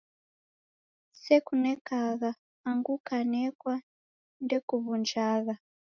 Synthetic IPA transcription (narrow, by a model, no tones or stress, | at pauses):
sɛkunɛkaɣaː | ŋɡukanɛkwa | ndɛkuβund͡ʒaːɣa